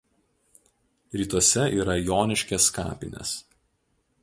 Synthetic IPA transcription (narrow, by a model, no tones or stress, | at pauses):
ɾʲiːt̪ɔsʲɛiːɾɐjoːnʲɪʃʲkʲɛskɑ̰ːpʲɪ̰nʲḛs